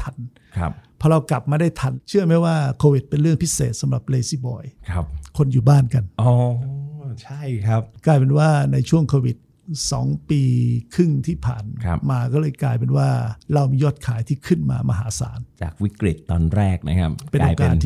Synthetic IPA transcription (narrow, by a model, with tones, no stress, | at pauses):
t̪ʰa˧n | kʰa˦˥p̚pʰɔː˧ɾa˧wkla˨˩p̚maː˧da˥˩jt̪ʰa˧nt͡ɕʰɯ˥˩əma˦˥jwaː˥˩kʰoː˧wi˨˩t̪̚pe˧nɾɯ˥˩əŋpʰi˦˥sḛː˨˩t̪̚sa˨˦mɾa˨˩p̚leː˧siː˥˩bɔ̰ː˧˩jkʰa˦˥p̚kʰo˧njuː˨˩baː˥˩nka˧nʔɔː˧˩ | t͡ɕʰa˥˩jkʰa˦˥p̚klaː˧jpe˧nwaː˥˩na˧jt͡ɕʰu˥˩əŋkʰoː˧wi˨˩t̪̚ | sɔ̰ː˩˦ŋpiː˧kʰɯ˥˩ŋt̪ʰiː˥˩pʰa̰ː˨˩nʰa˦˥maː˧kɔː˥˩lɤː˧jklaː˧jpe˧nwaː˥˩ɾa˧wmiː˧jɔː˥˩t̪̚kʰaː˩˦jt̪ʰiː˥˩kʰɯ˥˩nma̰ː˧ma̰˧ɦa̰ː˩˦sa̰ː˩˦nt͡ɕa̰ː˨˩k̚wi˦˥kɾi˨˩t̪ːɔː˧nɾɛː˥˩k̚na̰˦˥kʰa˦˥p̚pe˧naʔoː˧jka˧la˧nt̪ʰ